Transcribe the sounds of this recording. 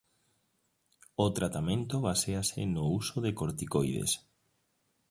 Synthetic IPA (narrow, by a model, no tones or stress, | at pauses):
ot̪ɾat̪amẽnt̪oβaseasɪ̰nousoðekoɾt̪ikojðḛs